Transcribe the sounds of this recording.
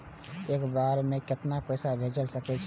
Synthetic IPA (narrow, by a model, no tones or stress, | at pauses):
ekbaɾmekɪt̪napəjsabʱed͡ʒəlsəkɛt͡ʃʰ